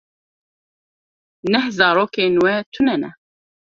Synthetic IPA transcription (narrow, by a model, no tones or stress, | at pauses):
nɛhzɑːɾoːkeːnwɛt̪ʰʊnɛnɛ̰